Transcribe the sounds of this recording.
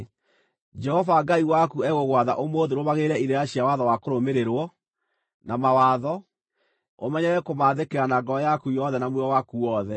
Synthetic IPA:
d͡ʒɛhɔvaɡaiwakuɛɣoɣwaðaʔomoːðeɾomaɣeɾɛiɾeaɕiawaðɔwakoɾomeɾeɾwɔ | namawaðɔ | omɛɲɛɛkomaðekeɾanaɡɔjakujɔðɛnamweɔwakuwɔðɛ

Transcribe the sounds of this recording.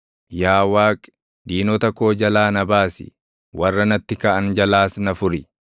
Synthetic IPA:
jaːwaːkʼ | d̪iːnɔt̪ɐko̞ːd͡ʒɐlaːnɐbaːsɪ̰ | wɐrːɐnɐt̪ːɪkɐʔɐnd͡ʒɐlaːsnɐfʊɾɪ

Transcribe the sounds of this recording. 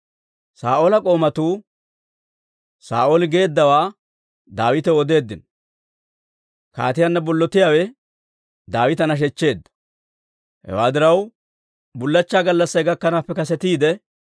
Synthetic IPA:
saːʔolɐkʼo̞ːmɐt̪uː | sa̰ːʔolɪɡe̞ːd̪ːɐwaː | d̪aːwɪt̪ɛɔd̪e̞ːd̪ːɪn | ka̰ːt̪ɪjanːɐbɔlːɔt̪ːɪjaːwɛ | d̪aːwɪt̪ɐnɐʃ̬ɛt͡ʃːe̞ːd̪ːɐ̥ | hɛ̰waːd̪ɪɾɐw | bʊlːɐt͡ʃːaːɡɐlːɐsːɐjɡɐkːɐnaːpːɛkɐsɛt̪iːd̪ɛ

